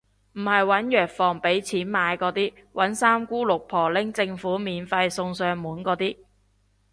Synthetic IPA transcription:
m̩˨˩hɐ˨jwɐ˨˥njœː˨k̚fɔː˨˩ŋpe˨˥jt͡sʰiː˨˥nmaː˨˧jkɔː˨˥t̪iː˥ | wʔɐ˨˥nsaː˥mkuː˥lʊ˨k̚pʰɔː˨˩lɪ˥ŋt͡sɪ˧ŋfuː˨˥miː˨nfɐ˧jsʊ˧ŋsœː˧ŋmuː˨˥nkɔː˨˧˥t̪iː˥

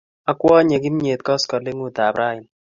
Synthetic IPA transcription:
a˦kwɔ˦ɲe˨ki˦m˦ɲe˨t̪̚kɔ˦skɔ˨lɪ˦ŋu˦ta˨bɾa˦ɪ˨n

